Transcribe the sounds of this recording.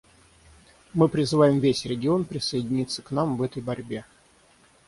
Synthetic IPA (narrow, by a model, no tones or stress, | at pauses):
mɨpɾʲɪzɨvajɪmvʲesʲɾʲɪɡʲɪo̞npɾʲɪsəjɪdʲɪnʲit̪sːə̥knamvɛt̪əjbɐɾʲbʲe̞